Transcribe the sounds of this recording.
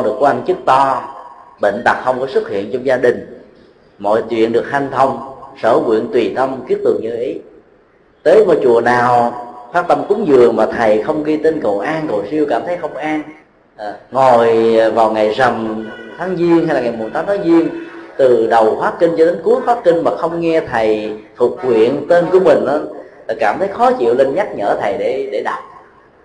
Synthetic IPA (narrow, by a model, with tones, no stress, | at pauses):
ɗɨ˨˩əkːwa˧ŋ̟t͡ɕɨ˦˥k̚t̪ɔ˧ɓḛ˧˨n̟t̪a˨˩k̚xə˧wŋ͡mkɔ˨˦sɨ˦˥k̚hḭ˧˨ənt͡ɕɔ˧wŋ͡mzaː˧ɗï˨˩ŋ̟ | mɔ̰˧˨jt͡ɕwḭ˧˨ənɗɨ˨˩ək̚h̪a˧jŋ̟t̪ʰə˧wŋ͡msəː˧˩kwḭ˧˨ənt̪wi˨˩t̪ə˧wŋ͡mki˦˥ət̚t̪ɨ˨˩əŋɲɨ˧˩ʔi˨˦ | t̪əː˨˦jmɔ̰˧˨jt͡ɕu˨˩ənaː˨˩wfaː˦˥t̪ə˧mku˨˦ŋzɨ˨˩əŋmaː˨˩t̪ʰə˨˩jxə˧wŋ͡mɣi˧t̪e˧nkə̰˧˨wʔaː˧nko̰˧˨˩si˧əwkaː˧˩mt̪ʰə˨˦jxə˧wŋ͡mʔaː˧n | ʔŋo˨˩jvaː˨˩wŋa˨˩jzə˨˩mt̪ʰaː˨˦ŋzi˧ənha˧jlaː˨˩ŋa˨˩jm˨˩t̪ʰaː˨˦t̪ʰaː˨˦ŋzi˧ənt̪ɨ˨˩ɗə˨˩wfwaː˨˦˥ki˧ŋ̟t͡ɕɔ˧ɗe˨˦nku˨˦˥əkfwaː˦˥t̚kï˧ŋ̟maː˨˩xə˧wŋ͡mŋɛ˧t̪ʰə˨˩jt̪ʰu˨˩k̚kwḭ˧˨ənt̪e˧nku˧˩əmï˨˩ŋ̟ʔaː˨˦laː˨˩kaː˧˩mt̪ʰə˨˦jxɔ˨˦t͡ɕḭ˧˨əwle˧nɲa˦˥t̚ɲə̰ː˧˩t̪ʰə˨˩jɗe˧˩ɗe˧˩ɗaː˨˩t̚